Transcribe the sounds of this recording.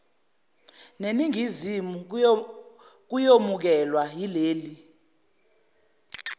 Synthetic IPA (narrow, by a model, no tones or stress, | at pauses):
neniŋizimu | k̬ujomuk̬ɛlwajileːli